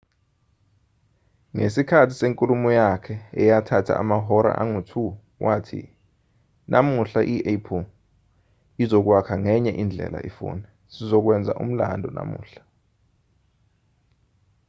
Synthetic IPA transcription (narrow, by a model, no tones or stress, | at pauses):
ŋesikʰatʰi̥seŋkʼulumɔjakʰɛɛjatʰatʰa̰ʔamaɦɔɾa̰ʔaŋutʰu | wʔatʰḭ | nʔamuɬaʔiʔepʰɔ | izɔk̬wakʰaŋɛɲɛʔind͡ɮʱɛ̰la̰ʔifṵːnɛ | sizɔk̬wɛnd͡zʱa̰ʔum̩la̰ndʱɔna̰mṵːɬḁ